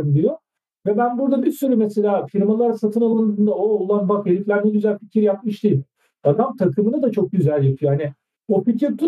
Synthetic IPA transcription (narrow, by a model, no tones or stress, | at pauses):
ɯmd̪iijo | vɛbænbuɾd̪abiɾsyɾymese̞lʲaːfiɾmalˠaɾsat̪ʰɯnalˠand̪ɯːnd̪aoːlˠanbakelʲiklʲænmɛɟyzælʲficʰiɾjap̚mɯʃd̪ejil | d̪̥anamt̪ʰakʰɯmɯnad̪at͡ʃʰo̞k̚ɟyzælʲjapʰɯjoɦanɪ | oficiɾt̪ʰu